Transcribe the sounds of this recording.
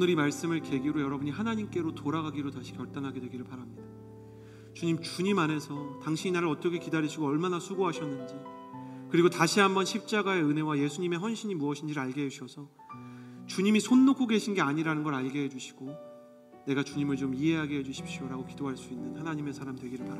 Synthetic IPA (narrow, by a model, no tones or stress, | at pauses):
onɯɾimaɭs͈ɯmɯɭke̞ɡiɾojʌɾʌbuɲiɦanaɲimk͈e̞ɾotoɾaɡaɡiɾotaɕʰi̥kjʌɭt͈anɦaɡe̞dwe̞ɡiɾɯɭpaɾamɲid̥a | t͡ɕuɲimt͡ɕuɲimane̞sʰʌtaŋɕʰiɲinaɾɯɾʌt͈ʌkʰe̞kidaɾiɕʰiɡoʌɭmanasʰuɡoɦaɕʰʌnːɯnd͡ʑi | kɯɾiɡotaɕʰiɦambʌnɕʰip̚t͡ɕ͈aɡae̞ɯne̞waje̞sʰuɲime̞ɸʌnɕʰiɲimuʌɕʰind͡ʑiɾɯɭaɭɡe̞ɦeuɕʰʌsʰʌ | t͡ɕuɲimisʰonːokʰːoɡe̞ɕʰinɡe̞aɲiɾanɯnɡʌɾaɭɡe̞ɦe̞d͡ʑuɕʰi̥ɡ̥o | ne̞ɡat͡ɕuɲimɯɭt͡ɕomiɦe̞ɦaɡe̞ɦe̞d͡ʑuɕʰi̥p̚ɕ͈ioɾaɡokidoɦaɭs͈uinːɯnhanaɲime̞sʰaɾamdwe̞ɡiɾɯɭpaɾ